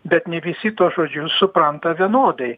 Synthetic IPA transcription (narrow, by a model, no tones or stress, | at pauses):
bʲɛt̪nʲɛʋʲɪsʲɪt̪uɔʒoːd͡ʒʲʊsʊpɾɐnt̪ɐʋʲiɛnoːd̪ɐɪ